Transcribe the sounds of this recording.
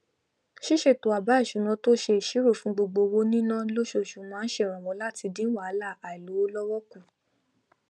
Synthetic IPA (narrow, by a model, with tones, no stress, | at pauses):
ʃi˦ʃe˦˨to˨a˨ba˨˦i˦˨ʃu˨˦nã˨˧˦to˦ʃe˧˦˨ʃi˨˦ɾo˦˨fũ˨˦ɡ͡bo˧ɡ͡bo˧wo˦nĩ˦nã˦lo˦ʃo˦˨ʃu˨˦mã˨˦n̩˦ʃe˦˨ɾ̃ã˨wɔ̃˨˧˦la˦ti˧dĩ˨˦wa˦˨˦la˦˨a˨i˨lo˨˦lɔ˦wɔ˦kũ˦˨